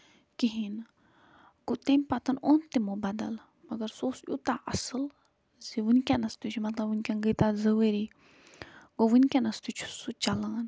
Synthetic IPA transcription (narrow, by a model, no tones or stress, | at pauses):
kiɦin | ɡ̥ot̪emʲpɐt̪ɐnont̪imobad̪ɐ̰l | mɐɡɐɾsoːsjut̪aʔɐsɨl | ziʋunkʲanɐst̪ut͡ʃʰumɐt̪lɐbunʲkʲɐnɡət̪azɐʋəɾi | ɡoʋunkʲɐnɐst̪ut͡ʃʰu̥sut͡ʃɐlaːn